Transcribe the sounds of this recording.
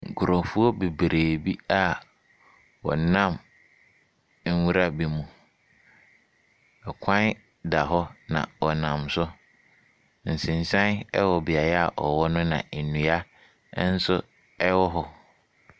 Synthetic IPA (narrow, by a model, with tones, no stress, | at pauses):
ŋ̩˨kʰʊ˨ɾɔ̃˨fu˦ɔ˦be˨bɾe˨bi˦a˦ | wɔ̰˨nã˦˨m˦ | n̩˦wu˦ɾa˦bi˨mũ˨ | ɛ˨kʷʰã˦n˦ | da˨ɦɔ˦nã̰˨ɔ˨nã˨msʊ˦ | n̩˨sɪ̃˨n˨sã˦nɛ˦wɔ˨bi˨a˨ɾa˨ʔɔ˨wɔ˦nʊ̃˦nã̰˨e˨nũ˨a˦ | n̩˦sʊ˦ | ɛ˦wɔ˦ɦɔ˨